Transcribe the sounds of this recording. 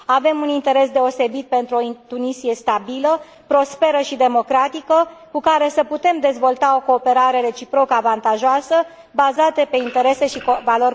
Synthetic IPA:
ave̞munint̪e̞ɾe̞s̬d̪e̞o̞se̞bit̪̚pe̞nt̪ɾuo̞it̪unisie̞st̪abilə | pɾo̞spe̞ɾəʃid̪e̞mo̞kɾat̪ikəkukaɾe̞səput̪e̞md̪e̞zvo̞lt̪ao̞ko̞ːpe̞ɾaɾe̞ɾe̞t͡ʃipɾo̞kəavant̪aʒoasə | bazat̪epe̞int̪e̞ɾe̞se̞ʃikovalo̞r

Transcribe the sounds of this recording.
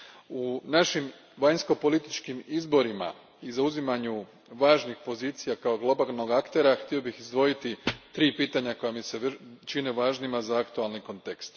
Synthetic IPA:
unaʃim | ʋaɲsko̞po̞lit̪it͡ʃkimizbo̞ɾima̰ | izauzimaɲu | ʋaːʒnixpo̞ziːt̪sijakao̞ɡlo̞balno̞ɡakt̪e̞ɾaxt̪io̞bixizd̪ʋo̞jit̪it̪ɾiːpiːt̪aɲako̞jamiseʋt͡ʃineʋaːʒnimazaakt̪ualˠniko̞nt̪e̞kst̪

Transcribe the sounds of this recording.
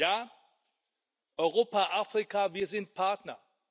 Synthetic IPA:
jaː | ʔɔʏʁoːpaʔaːfʁ̥ikaviːɐzɪnt̚pʰaɐtnɐ

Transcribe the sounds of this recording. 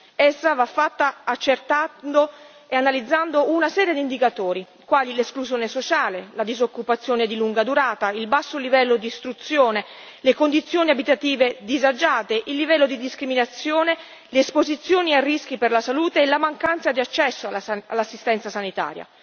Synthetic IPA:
ɛsːavafːat̪ːaːt͡ʃːert̪and̪o | eanalid̪zːand̪ounasɛːɾjed̪iːnd̪ikat̪oːɾi | kwaːlileskluzjoːnesot͡ʃaːlelad̪izokːupat̪sːjoːned̪iluŋɡad̪uɾaːt̪ailbasːolivɛlːod̪iːst̪ɾut̪sːjoːne | lekond̪it̪sːjoːniabit̪at̪iːved̪izad͡ʒaːt̪eʔilːivɛlːod̪id̪iskɾiminat̪sːjoːne | leːspozit̪sːjoːniarːisk̟iperlasaluːt̪eːlamaŋkant̪sad̪iat͡ʃːɛsːoaa̰lːasːist̪ɛnt̪sasanit̪a̰ːɾja̰

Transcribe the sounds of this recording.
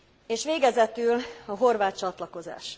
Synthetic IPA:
eːʃʋeːɡɛzɛt̪ylɒɦo̞rvaːt̪t͡ʃɒt̪lɒko̞za̰ːʃ

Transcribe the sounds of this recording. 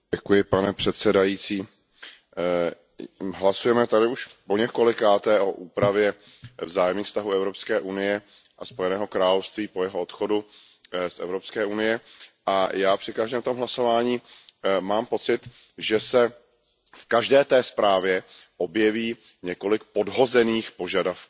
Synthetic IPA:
ɛkujɪpanɛpr̥ɛt̪sɛdajiːt͡siː | ɦlasujɛmɛt̪adɪuʃpo̞ɲɛko̞lɪkaːt̪ɛːʔo̞ʔuːpɾavjɛ | vzaːjɛmɲiːxfst̪aɦuɛvɾo̞pskɛːʔunɪjɛ | ʔaspo̞jɛnɛːɦo̞kɾaːlofst̪viːpo̞jɛɦoot̪xo̞du | sʔɛ̰vɾo̞pskɛːʔunɪjɛʔajaːpr̝̥ɪkaʒdɛːmt̪omɦlaso̞vaːɲiːmaːmpo̞t͡sɪt̪ | ʒɛsɛ | fkaʒdɛːt̪ɛːspɾaːvjɛʔo̞bjɛviː | ɲɛko̞lɪkpo̞dɦo̞zɛniːxpo̞ʒadafkuː

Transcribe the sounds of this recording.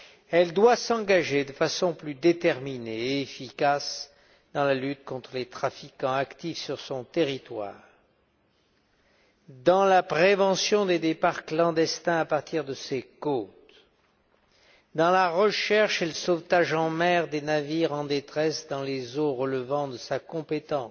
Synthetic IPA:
ɛld̪wasɑ̃ɡaʒed̪əfasɔ̃plyd̪et̪ɛʁmineːfikas | d̪ɑ̃lalyt̪̚kɔ̃t̪χəlet̪χafikɑ̃akt̪ifsyʁsɔ̃t̪eʁit̪wa̰ːʁ | d̪ɑ̃lapχevɑ̃sjɔ̃d̪ed̪epaʁklɑ̃d̪ɛst̪ɛ̃apaʁt̪ʰiʁd̪əsekot̪ | d̪ɑ̃laʁəʃɛʁʃeləsɔft̪aʒɑ̃mɛʁd̪enaviʁɑ̃d̪et̪χɛsd̪ɑ̃lezoʁələvɑ̃d̪əsakɔ̃pet̪ɑ̃s

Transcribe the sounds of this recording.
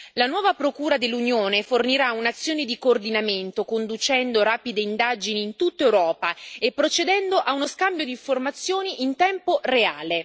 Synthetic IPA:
lanwɔːvapɾokuːɾad̪elːunjoːneforniɾaunat̪sːjoːned̪ikoːrd̪inament̪okond̪ut͡ʃɛnd̪oɾaːpid̪eind̪ad͡ʒiniːnt̪ut̪ːaewɾɔːpaepːɾot͡ʃed̪ɛnd̪oʔaunoskambjod̪iɱformat̪sːjoːniʔint̪ɛmporeaːle

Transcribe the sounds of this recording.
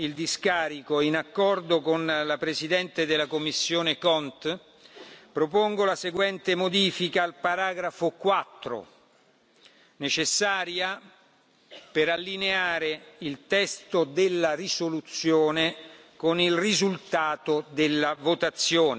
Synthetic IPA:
ild̪iskaːɾikoinakːɔrd̪okonlapɾesid̪ɛnt̪ed̪elːakomːisːjoːnekɔnt̪ | pɾop̬oŋɡolaseɡwɛnt̪emod̪iːfikaːlpaɾaːɡɾafokwat̪ːɾo̰ | net͡ʃesːaːɾja | peɾalːineaːɾeilt̪ɛst̪od̪elːarisolut̪sːjoːne | konilrizult̪aːt̪od̪elːavot̪at̪sːjoːn

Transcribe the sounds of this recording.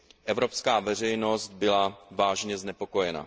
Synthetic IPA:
ʔɛvɾo̞pskaːvɛr̝ɛjno̞st̪̚bɪlavaːʒɲɛznɛpo̞ko̞jɛna̰

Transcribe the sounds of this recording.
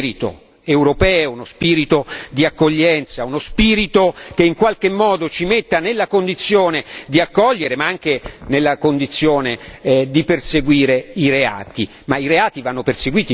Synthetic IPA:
ɾit̪o̰ | euwɾopɛːounospiːɾit̪od̪iakːoʎːɛnt̪saunospiːɾit̪ok̟eiŋkwalk̟emːɔːd̪ot͡ʃimet̪ːanelːakond̪it̪sːjoːned̪iakːɔʎːeɾemaaŋk̟enelːakond̪it̪sːjoːned̪iperseɡwiːɾeiɾea̰ːt̪i | maiɾeaːt̪ivanːoperseɡwiːt̪i

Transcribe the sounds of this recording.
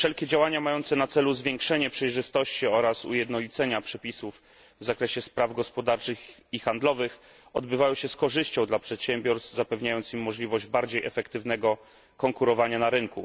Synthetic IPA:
fʂɛlkʲɛd͡ʑawaɲamajɔnt̪sɛnat̪sɛluzvʲjɛŋkʂɛɲɛpʂɛjʐɘst̪ɔɕt͡ɕiɔɾasṵjɛd̪nɔlʲit̪sɛɲapʂɛpʲisuv | vzakɾɛɕɛspɾavɡɔspɔd̪aɾt͡ʂɘxixand̪lɔvɘx | ɔd̪bɘvajɔ̃w̃ɕɛskɔʐɘɕt͡ɕɔ̃w̃d̪lapʂɛt̪ɕɛmbʲjɔɾst̪fzapɛvɲajɔnt̪simːɔʐlʲivɔʑd͡ʑbaɾd͡ʑejʔɛfɛkt̪ɘvnɛɡɔ | kɔŋkuɾɔvaɲanaɾɘŋku

